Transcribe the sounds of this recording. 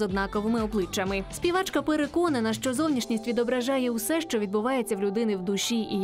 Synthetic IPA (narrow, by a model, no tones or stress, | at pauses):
ɔd̪nɑkɔʋɪmɪɔblˠɪt͡ʃːɐmɪsʲpʲiʋɑt͡ʃkɐpeɾekɔnɐnɐʃt͡ʃɔzɔwnʲiʃnʲisʲtʲʋʲid̪ɔbɾɐʒɑjɛwsɛʃt͡ʃɔʋʲid̪bʊʋɑjet͡sʲːɐwlʲʊd̪ɪnɪwd̪ʊʃʲiʔi